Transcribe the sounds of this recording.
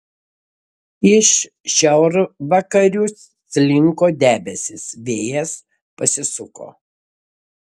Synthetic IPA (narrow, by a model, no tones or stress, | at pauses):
ɪʃ | ʃʲɛʊɾʋɐkɐɾʲusːʲlʲɪŋkoːd̪ʲæːbʲɛsʲɪsʋʲeːjɛs | pɐsʲɪsʊko̰ː